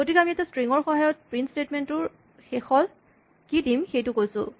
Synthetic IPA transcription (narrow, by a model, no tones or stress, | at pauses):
kotikɛamiɛtɛstɹiŋɔɹxɔɦajɔt̚pɹintstetmentʊɹ | xɛxɔl | kidimxejtʊkojsʊ̰̃